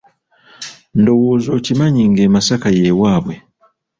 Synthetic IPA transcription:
ndo̞wo̞ːzo̞ːcimaɲiŋɡeːmasakaje̞ːwaːβwe̞

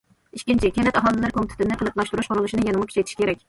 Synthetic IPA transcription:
iʃkʲint͡ʃʰiɪkʲʰɛlɛt̪ɑɦɑlˠɨlɨɾkomt̪ʰɪ̥t̪ʰɪnɪqʰəlˠəplˠɑʃt̪uɾuʃqʰoɾɨlˠuʃinɨjɛnɨmʊkʰʲy̥t͡ʃʰɛjt̪ʰi̥ʃkʰʲeɾɛk̚ʲ

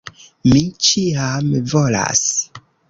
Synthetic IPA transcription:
mit͡ʃiamvola̰s

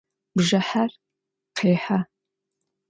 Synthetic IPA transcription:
bʒɐħar | qʰeːħa

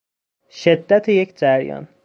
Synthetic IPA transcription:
ʃed̪ːæt̪ʰejecʰd͡ʒæɾjɒ̰n

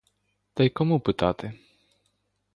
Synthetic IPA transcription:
d̪̥ajkomupɨt̪at̪ʰe

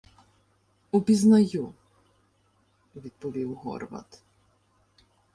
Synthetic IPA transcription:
upʲiznɐju | ʋʲid̪̚pɔʋʲiwɦɔ̰rʋɐ̰t̪

